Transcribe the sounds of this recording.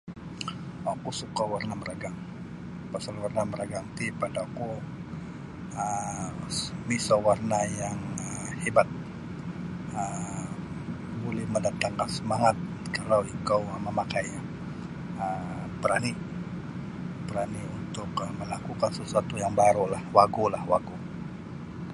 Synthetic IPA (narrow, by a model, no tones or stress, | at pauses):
akusukawarnaməɾaɡaŋ | pasalwarnaməɾaɡaŋt̪ipadaaku | ə | misawarnajaŋhebat̪̚ | ə | bolɛhməndat̪aŋkaŋsəmaŋat̪̚ | kalawikawməmakaj | ə | pəɾani | pəɾaniunt̪ʊkəməlakukansəsuat̪ujaŋbaɾulahwaɡulahwaɡu